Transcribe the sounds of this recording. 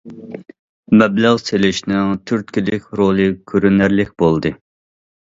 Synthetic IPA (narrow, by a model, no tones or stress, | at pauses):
mɛblæʁselɪʃnɪŋt̪ʰyɾt̪̚kʲilɪkʲɾolˠɨkʲʰyɾynæɾlɪkʲbolˠd̪ɨ